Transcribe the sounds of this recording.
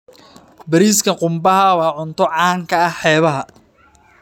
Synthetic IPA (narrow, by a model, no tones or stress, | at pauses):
bɐɾiːskʰɐqʊmbɐɦɐwɑːʕʊnt̪ʰɔʕɑːŋkʰɐɐħɛːβɐɦɐ